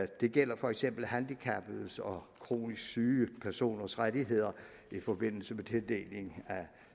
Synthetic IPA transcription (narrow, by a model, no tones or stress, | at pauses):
d̥e̝ɡ̥el̰ɐfɒ̽eɡ̥sem̰b̥l̩ɦænd̥ikʰæb̥ð̩ˠsɒ̽kʰʁo̝̰ːnisɡ̥syːpʰæɐso̝̰ːnɐsʁad̥iɦe̝ð̞̰ˠɐ | ifɒ̽b̥e̝n̰l̩səmet͡sʰeld̥e̝̰ːle̝ŋæ